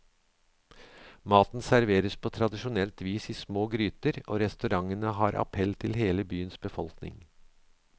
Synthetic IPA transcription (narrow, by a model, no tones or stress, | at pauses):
mɑːt̪n̩sæɾʋeːɾəspʰoːt̪ʰɾɑd̪ɪʃʊnɛlt̪ʋiːsiːsmoːɡɾyːt̪əɾo̰ːɾɛst̪ʉɾɑŋənəɦɑːɾʔɑ̰pʰɛlt̪ʰɪlheːləbyːənsbəfɔlknɪ̰ŋ